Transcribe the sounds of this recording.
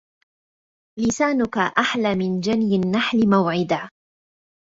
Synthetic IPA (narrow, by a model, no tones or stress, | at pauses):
lɪsaːnʊkaʔaħlaːmɪnd͡ʒanjɪnːaħlɪmawʕɪd̪a